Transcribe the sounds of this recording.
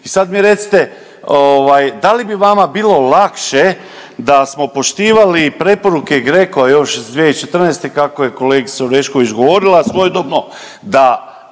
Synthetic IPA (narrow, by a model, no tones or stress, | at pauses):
isad̪miɾe̞t̪si̥t̪e̞ | oʋajd̪alibiʋamabiːlˠo̞lakʃe̞ | d̪asmo̞po̞ʃt̪iːʋalipɾe̞po̞ɾuke̞ɡɾe̞koʋajo̞ʃzd̪ʋiet͡ʃe̞t̪r̩neːst̪e̞kakoje̞koleːɡisoɾeʃko̞ʋit͡ʃɡoʋo̞ɾilˠasʋo̞jed̪obno | d̪a